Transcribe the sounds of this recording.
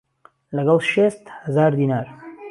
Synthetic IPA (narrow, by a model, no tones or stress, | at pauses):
lɐɡɐlˠʃest̪hɐzaːɾd̪iːnaːɾ